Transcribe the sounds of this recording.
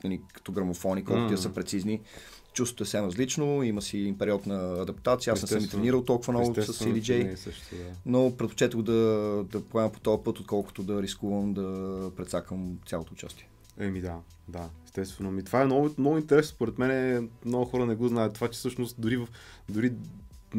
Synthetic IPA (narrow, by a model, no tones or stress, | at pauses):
ɐnikə̥t̪ɔɡɾɐmofɔnikɔlˠkʊt̪iəsəpɾɛt̪sizni | t͡ʃuso̥t̪oɛfsɛmɾəzlit͡ʃnoiməsiːmpɛɾiɔt̪nɐːd̪ɐpt̪at̪sijəasnɛsəmit̪ɾɛniɾəlˠt̪ɔlˠkʊvənvʊsəsid̪id͡ʒɛjsəʃd̪anopɾɛt̪po̥t͡ʃɛt̪əɡod̪ɐd̪ɐpoɛmɛmpo̥t̪ɔpɤt̪ot̪̚kɔlˠkʊ̥t̪ʊd̪ɐɾiskuvəmd̪ɐpɾɛt̪sakvəmt̪sʲalˠot̪oːt͡ʃa̰st̪iɛ | ɛmid̪a | d̪aɛst̪ɛst̪vɛnomit̪ovaɛnɔɡnɔɡʊint̪ɛɾɛsnospoɾɛt̪mɛnɛmnɔɡuxɔɾənɛɡɔznajət̪t̪ovat͡ʃɛ̥sɤʃnost̪d̪ʊɾivəf | d̪ʊɾi